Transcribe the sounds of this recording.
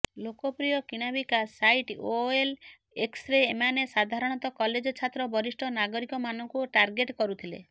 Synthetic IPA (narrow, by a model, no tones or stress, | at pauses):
lokɔpɾijɔkiɽ̃abikasajʈoel | eksɾeːmanesad̪ʱaɾɔɽ̃ɔt̪ɔkɔled͡ʒɔt͡ʃʰat̪ɾɔbɔɾisʈʰɔnaɡɔɾikɔmanɔŋkuʈaɾɡeʈkɔɾut̪ʰilḛ